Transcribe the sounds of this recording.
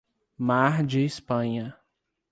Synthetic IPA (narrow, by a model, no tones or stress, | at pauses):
maɾd͡ʒɪɪspɐ̃ɲɐ